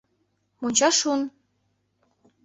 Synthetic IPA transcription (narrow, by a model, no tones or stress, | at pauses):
monʲt͡ɕɑʃun